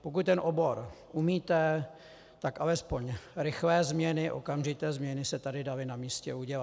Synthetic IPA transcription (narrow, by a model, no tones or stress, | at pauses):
pok̬ut̪̚t̪ɛnʔobo̞ɾʔumiːt̪ɛ | t̪akʔalɛspo̞ɲɾɪxlɛːzmɲɛnɪʔo̞̰kamʒɪt̪ɛːzmɲɛnɪsɛt̪adɪdalɪnamiːscɛuɟɛla